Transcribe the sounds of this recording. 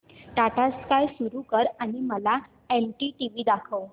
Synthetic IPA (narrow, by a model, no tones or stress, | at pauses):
ʈaʈaskajsuɾukəɾaɽ̃iməla | elʈiʈiʋiːd̪akʰəw